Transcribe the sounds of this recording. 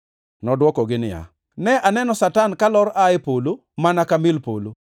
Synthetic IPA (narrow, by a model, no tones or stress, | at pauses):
nɔdwɔkɔɡɪnɪja̰ | nɛʔanɛnɔsatankalɔɾaɪpolo | manakamɪlpolo